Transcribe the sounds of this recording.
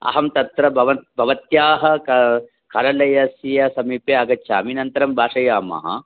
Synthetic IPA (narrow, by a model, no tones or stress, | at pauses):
ɐ̰ɦɐmt̪ɐt̪ɾɐbʱɐʋɐbʱɐʋɐt̪jaːɦɐ̆kɐ | kʰɐɾɐlɐjɐsijɐsɐmiːpeɐɡɐtːʃʰaːɐminɐnt̪ɐɾɐmbʱaːʂɐjaːmɐ̰ɦɐ̰